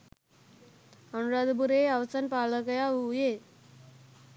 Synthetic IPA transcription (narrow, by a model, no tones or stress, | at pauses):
ənɾad̪buɾeaʋsanpaləkəjauje